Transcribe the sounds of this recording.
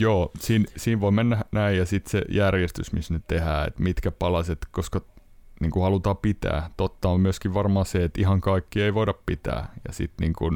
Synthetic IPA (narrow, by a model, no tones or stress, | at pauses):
joːsiːnsiːʋʋoimenːænæijjɑsit̪sḛjærjest̪ysmisnet̪ehæːḛt̪mit̪kæpɑlɑset̪koskɑniːŋkuhɑlut̪ɑːpit̪æ̰ːt̪ot̪ːɑommyøskiʋʋɑrmɑːseet̪ihɑŋkɑikːieiʋoidɑppit̪æ̰ːjɑ̰sḭt̪niːŋkun